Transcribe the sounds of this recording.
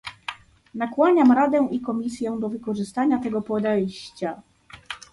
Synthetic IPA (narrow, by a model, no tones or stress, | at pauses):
nakwaɲamɾad̪ɛ̃ʔikɔmʲisʲjɛw̃d̪ɔvɘkɔʐɘst̪aɲat̪ɛɡɔpɔd̪ɛjɕt͡ɕa